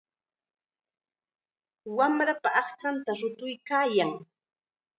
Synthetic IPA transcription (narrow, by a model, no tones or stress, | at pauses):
wamɾapaɑχt͡ʃant̪aɾʊt̪ʊjkaːjaŋ